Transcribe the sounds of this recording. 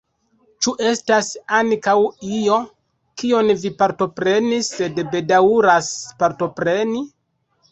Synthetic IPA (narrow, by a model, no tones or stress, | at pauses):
t͡ʃuʔe̞stasaŋkawio̞ | kio̞nvipaɾto̞pɾe̞nisːe̞dbe̞dauɾaspaɾto̞pɾe̞ni